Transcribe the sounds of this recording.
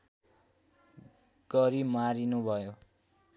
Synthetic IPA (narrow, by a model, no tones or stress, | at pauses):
ɡ̥ʌɾimaɾinubʱʌjo